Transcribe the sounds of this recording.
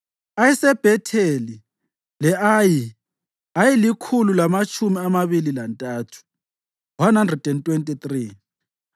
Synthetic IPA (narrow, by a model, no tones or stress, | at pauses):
ajisɛb̥ʱɛtʰeli | lɛʔaːji | ajilikʰululamat͡ʃʰʼumiamaβililantʼaːtʰu̥ | wanɦandrɛd̥ɛntʼwentʼit̪riː